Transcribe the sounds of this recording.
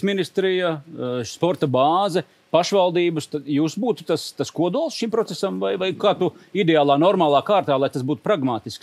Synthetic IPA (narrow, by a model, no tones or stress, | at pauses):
sminist̪ɾijaspɔɾt̪ɐbɑːzɛ | paʃʋalˠd̪iːbust̪ajuːsbuːt̪u̥t̪ast̪askuɔd̪uɔlˠsʃimpɾɔt̪sesamvajvajkaːt̪uid̪eaːlˠaːnɔɾmaːlˠɑːkaːɾt̪aːlˠajt̪as̬buːt̪u̥pɾaɡmaːt̪isks